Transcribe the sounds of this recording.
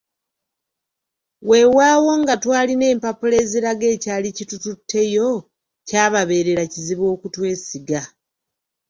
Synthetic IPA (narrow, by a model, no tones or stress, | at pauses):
we̞waːwo̞ŋɡatwaːline̞ːmpapule̞ziɾaɡe̞ːcaːlicitututʰːe̞jo̞ | caːβaβe̞ːɾe̞ɾaciziβo̞ːkutwe̞ːsiɡa